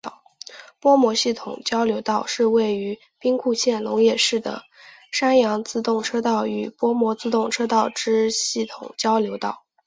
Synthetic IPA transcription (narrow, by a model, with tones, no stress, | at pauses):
pwɔ˥mwɔ˧˥ɕi˥˩t̪ʰʊ̰˨˩ŋt͡ɕjɑ˥ʊljo˧˥ʊt̪ɑ˥˧ʊʂɻ̩˥˧we˥˩ɪy˧˥ | pi˥ŋkʰu˥˧ɕjɛ˥˩nlʊ˧˥ŋjɛ˥˩ʂɻ̩˥˩d̪ə̰˩ | ʂa˥njɑ˧˥ŋt͡sɹ̩˥˧t̪ʊ˥˩ŋʈ͡ʂʰɤ˥t̪ɑ˥˩ʊy˨˩pwɔ˥mwɔ˧˥t͡sɹ̩˥˧t̪ʊ˥˩ŋʈ͡ʂʰɤ˥t̪ɑ˥˩ʊʈ͡ʂɻ̩˥ɕi˥˩t̪ʰʊ̰˨˩ŋt͡ɕjɑ˥ʊljo˧˥ʊt̪ɑ˥˩ʊ